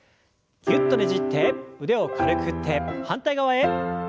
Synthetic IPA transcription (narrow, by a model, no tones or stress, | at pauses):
kiɯt̪ːoɾed͡ʑit̪ʰep̚ːud̪eokʰaɾɯkʰɯt̪ʰep̚hant̪͈ajɡawae